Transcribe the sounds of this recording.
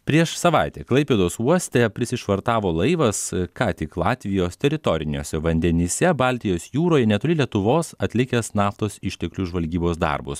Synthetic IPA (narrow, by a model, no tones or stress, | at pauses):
pʲɾʲiɛʃsɐʋɑɪt̪ʲɛːklˠɐɪpʲeːd̪oːsuɔsʲt̪ʲɛpʲɾʲɪsʲɪʃʋɐɾt̪ɑːʋoːlˠɐɪʋɐskɑːt̪ʲɪklˠɑːt̪ʲʋʲɪjoːst̪ʲɛɾʲɪt̪ɔɾʲɪnʲoːsʲɛʋɐnʲd̪ʲɛnʲisʲɛbɑlʲt̪ʲɪjoːsjuːɾoːjɛnʲɛt̪ʊlʲɪlʲiɛt̪ʊʋoːsɐt̪ʲlʲɪkʲɛsnɑːft̪oːsɪʃʲt̪ʲɛklʲuʒʋɐlʲɡʲiːboːsd̪ɑ̰rbʊ̰s